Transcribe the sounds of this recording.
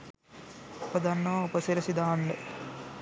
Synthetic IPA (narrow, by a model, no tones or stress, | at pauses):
pɐd̪ɐnːoːupɐsiɾɐsid̪aːɳɖɨ